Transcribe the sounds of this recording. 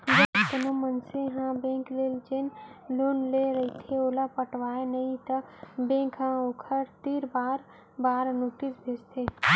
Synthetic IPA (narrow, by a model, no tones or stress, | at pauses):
d͡ʒəbk̪ənomənsẽɦãbẽːŋkleːld͡ʒenlonleɾəit̪ʰeoːlapəʈʋaːenəĩt̪əbẽːkɦãokʰəɾt̪iɾbaːɾ | baːɾnoːʈisbʱest̪ʰe